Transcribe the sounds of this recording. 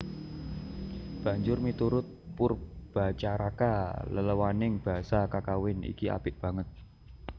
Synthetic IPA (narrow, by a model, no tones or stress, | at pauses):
b̥ä̤ɲd͡ʒʊrmit̪uɾʊt̪̚pʊrb̥a̤t͡ʃaɾakalələwanɪŋb̥a̤sakakawɪnḭkia̰b̥ɪʔb̥ä̤ŋət̪̚